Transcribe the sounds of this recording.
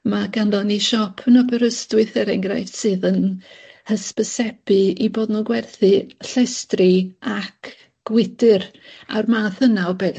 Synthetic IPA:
maɡanlɔniʃɔpʰənɔbəɾəstɪθɛɾɛŋɡrajftsɨðənhəspəsɛpɨiboːdnɔɡwɛrθɨɬɛstrɨakʰ | ɡ̥wɪdɨr | a̰rmaθənawbɛ

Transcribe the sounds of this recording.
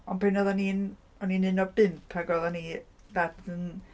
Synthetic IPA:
ɔnpʰenɔðanin | ɔninɨnɔbɪmpʰaɡɔðani | ðadən

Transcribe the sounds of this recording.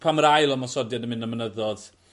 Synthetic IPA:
pʰaməɾajlˠɔmasɔdjadəmɪnəmənəðɔð̥

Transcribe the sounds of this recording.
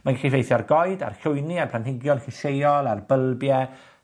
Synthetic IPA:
manɡɛχivejθjɔrɡɔɨda̰rɬʊɨniarpʰlanhɪɡjɔnχɪsejɔlˠarbəlˠbjɛ

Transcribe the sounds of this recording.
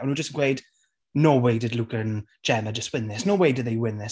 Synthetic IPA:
ə̃nhud͡ʒəstn̩ɡ̥wejd | noweɪdɪdlʊkən̥ | d͡ʒ̥ɛnəd͡ʒəst̚wɪnðɪsnoːweɪdɨd̪ðeɪwɪnðɪs

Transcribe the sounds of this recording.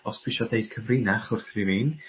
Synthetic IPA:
ɔspʰw̥ɪʃɔdeɨd̥kʰəvrɪnaχʊrθrivin

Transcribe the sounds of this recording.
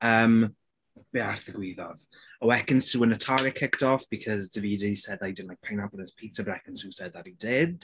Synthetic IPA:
əːm | b̥earθəɡwiːðɔð̥ | əwɛkə̃nsuːənətʰaɾɪkʰɪkdɔfb̥ikʰɔzdəviːdisɛdajdɪdn̩laɪk̚pʰajnablˠnəspʰiːtʰəbəɾɛkə̃nsusɛd̪̚ðaɾidɪd

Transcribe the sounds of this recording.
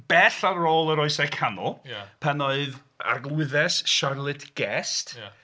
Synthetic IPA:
b̥ɛɬarːoːlˠəɾɔɨsɛkʰanɔlˠpʰanoɨð | a̰rɡlˠwɪðɛsʃarlˠɨtʰɡ̥ɛst

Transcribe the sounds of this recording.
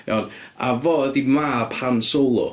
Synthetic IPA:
ja̰wna̰vɔːədimaːpʰansolˠʊ̰

